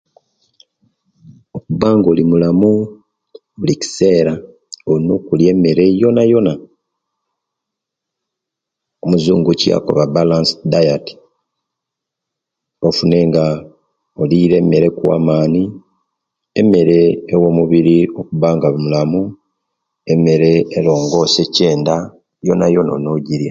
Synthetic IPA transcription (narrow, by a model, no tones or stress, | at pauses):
okuβaːŋɡo̞ːlimulamu | βulici̥se̞ːɾa | ono̞ːkulje̞mːe̞ɾe̞jo̞najo̞na | omuzuːŋɡucia̰ko̞̰βabalansdajati̥ | o̞fune̞ːŋɡa | oliːɾe̞me̞ɾekwa̰ːmaːni | eme̞ɾe̞ːwo̞muβiɾio̞kuβaːŋɡaβmulamu | e̞me̞ɾe̞ːlo̞ːŋɡo̞ːse̞ceːnda | jo̞najo̞nao̰no̞ɟiɾja